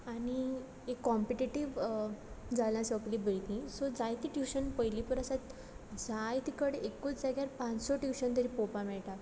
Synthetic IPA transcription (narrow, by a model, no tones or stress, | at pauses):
aɽ̃i | ekːɔmpiʈiʈiʋ | d͡zalãsəkliːbəɭt̪ĩsɔd͡zajt̪iʈiwɕənpəjlipəɾəsat̪ | d͡zajt̪ikəɽeʔekut͡sd͡zaɡjaɾpãt͡ssɔʈiwɕənt̪əɾipopamɛɭʈa